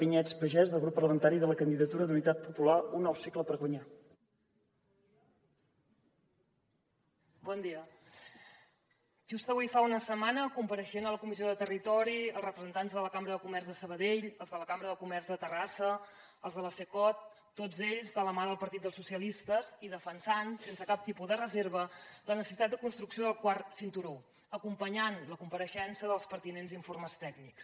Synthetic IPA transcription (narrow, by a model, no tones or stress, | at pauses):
piɲɛt͡spəʒɛzðəlˠɣɾupːərləmənt̪aɾiðələkənd̪iðət̪uɾəd̪unit̪at̪̚pupulaunːɔwsikləpəɾɣwəɲa | bɔnd̪iə | ʒust̪əβujfaunəsəmanəkumpəɾəʃenələkumizioðət̪ərit̪ɔɾiəlˠrəpɾəzənt̪anzðələkambɾəðəkumɛrzðəsəβəðeʎəlˠzðələkambɾəðəlˠkumɛrzðət̪ərasə | əlˠzðələsekɔt̪ː | od͡zeʎzðələmaðəlˠpəɾt̪it̪̚d̪əlˠsusiəlist̪əziðəfənsansensəkap̚t̪ipuðərəzeɾβələnəsəsit̪at̪̚d̪əkunst̪ɾuksioðəlˠkwarsint̪uɾo | əkumpəɲanləkumpəɾəʃɛnsəðəlˠspəɾt̪inenziɱforməst̪ɛɡniks